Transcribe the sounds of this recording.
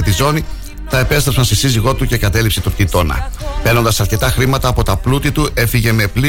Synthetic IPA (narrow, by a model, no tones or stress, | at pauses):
et̪izo̞ni | t̪ɐepe̞st̪ɾepsɐnst̪esiziɣo̞t̪uce̞kɐt̪e̞lipset̪upt̪it̪o̞nɐ̰pe̞no̞nd̪ɐsɐɾce̞t̪ɐxɾimɐt̪ɐːpo̞t̪ɐplut̪it̪uʔe̞fiʝe̞me̞pli